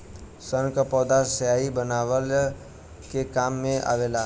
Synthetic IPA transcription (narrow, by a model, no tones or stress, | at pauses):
səɾkəpɔːd̪asəjaibənaʋəl | kekamːẽʔa̰ʋela